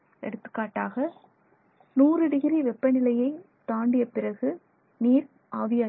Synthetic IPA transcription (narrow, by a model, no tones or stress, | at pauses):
ɛ̰ɽɯt̪ːɯ̥kːaːʈːaːɣɐ | nuːɾɯɽɪɣɪɾiʋɛpːɐnɪlɐjɐɪ | t̪aːɳɖɪjɐpɪrɐɣɯ | niːɾ | ʔaːʋɪjaː